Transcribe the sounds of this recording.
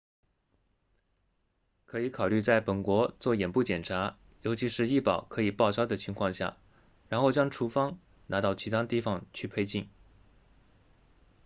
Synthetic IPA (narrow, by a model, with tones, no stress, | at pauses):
kʰɤ˧˥i˧˥kʰɑ˨˩ʊly˥˧t͡sa˥˩ɪpə˨˩nkwɔ˧˥t͡swɔ˥˩jɛ˨˩npu˥˩t͡ɕjɛ˨˩nʈ͡ʂʰa˧˥ | jo˧˥ʊt͡ɕʰi˧˥ʂɻ̩˥˧i˥˩pɑ˨˩ʊkʰɤ˧˥i˨˩pɑ˥˩ʊʈ͡ʂɑ˥ʊd̪ə˨t͡ɕʰi˧˥ŋkʰwɑ˥˧ŋɕja̰˥˩ | ɻa˧˥nxo˥˩ʊt͡ɕjɑ˥ŋʈ͡ʂʰu˧˥fɑ˥ŋ | nʔa˧˥t̪ɑ˥˩ʊt͡ɕʰi˧˥t̪ʰa˥t̪i˥˩fɑ˨˩ŋt͡ɕʰy˥˧˩pʰe˥ɪt͡ɕi˥˩n